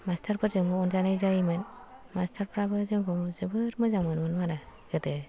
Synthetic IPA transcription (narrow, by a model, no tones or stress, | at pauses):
mastʰaɾpʰɯɾzɯŋɡɔɔnzanajzajmɯn | mastʰaɾpʰɾabɯzɯŋɡɔzɯbɯɾmɯzaŋmɯnmɯnmaɾaɡɯtɯ